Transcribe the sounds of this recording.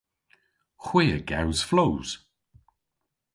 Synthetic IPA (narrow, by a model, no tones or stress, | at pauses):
xwɪːəɡa̰wz̥flowz̥